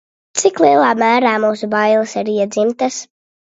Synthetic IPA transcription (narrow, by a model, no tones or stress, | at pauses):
t̪siklˠiɛlˠaːmæːɾaːmuːsubajlˠɨsaɾiɛd̪zimt̪as